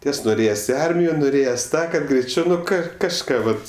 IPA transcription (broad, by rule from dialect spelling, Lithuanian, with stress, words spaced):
ˈtʲiɛs nʊˈrʲeːjɛsʲ ɪ ˈɐrʲmʲɪjoː nʊˈrʲeːjɛs ˈtɑː kɐt ɡrʲɛɪˈt͡ʃʲɛʊ nʊ ˈkɑː kɐʃˈkɑː ʋɐt